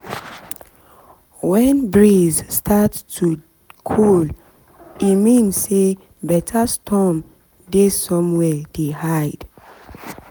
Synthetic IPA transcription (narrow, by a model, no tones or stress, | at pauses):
wɛ̃nbɹizstʰattʰu | kʰul | imĩnsːe | bɛtʰastʰɔ̃m | desɔ̃mwɛdehaɪd̥